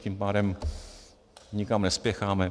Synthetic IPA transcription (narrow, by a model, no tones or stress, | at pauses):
cimpaːdɛm | ɲɪkamnɛspjɛxaːmɛ